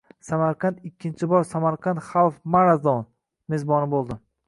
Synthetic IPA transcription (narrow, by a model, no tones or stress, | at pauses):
samaɾqʰɑnt̪ɪkʲʰːɪnt͡ʃʰɪbɒɾsamaɾqʰɑnt̪χawfmaɾazd̪ɒn | mezbɒnɪbolˠd̪ɪ